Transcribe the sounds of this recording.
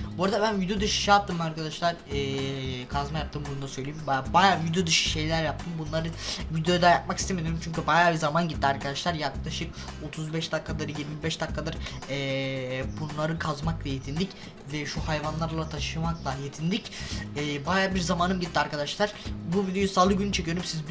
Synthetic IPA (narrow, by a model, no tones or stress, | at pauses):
buɾad̪abænvid̪ijod̪ɯʃɯ̥ʃjap̚t̪ʰːɯmaɾkad̪aʃlˠaɾɛːkʰazmajap̚t̪ʰɯmbunund̪asø̞jlʲejimbbajaːvid̪jod̪ɯʃɯ̥ʃe̞jlʲæɾjap̚t̪ʰɯmbunlˠaɾɯvid̪eojad̪ajap̚maki̥st̪emed̪ijɾumt͡ʃʰyɲcybajaːbizamanɟit̪ːiaɾkʰad̪aʃlˠaɾjaklˠaʃɯk | o̞t̪ʰuzbɛʃd̪akːad̪aɾɯjiɾmibɛʃd̪akːad̪aɾɛbunlˠaɾɯkʰazmaklˠɛjet̪ʰind̪ʲic | vɛʃuhajvanlˠaɾlˠat̪ʰaʃɯmaklˠajet̪ʰind̪icɛːbajaːbiɾzamaːnɯmɟit̪ːiaɾkʰad̪aʃlˠaɾ̥buvid̪ejusaːlˠɯɟynyt͡ʃʰecʰyjøɾymsiz